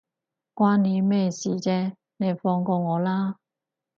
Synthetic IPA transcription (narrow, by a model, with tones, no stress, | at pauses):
kwaː˥nni˨˧˥mɛː˥˧siː˨t͡sɛː˥ | ne˨˧jfɔː˧ŋkɔː˧ŋɔː˨˧laː˥